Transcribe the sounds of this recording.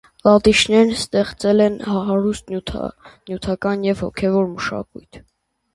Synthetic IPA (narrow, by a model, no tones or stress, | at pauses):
lɑt̪it͡ʃʰnɛɾnst̪ɛχt͡sɛlɛnhɑɦɑɾust̪ʰnjut̪ʰɑkɑnjɛvhɔ̰kʰɛvɔɾməʃɑ̰kujt̪ʰ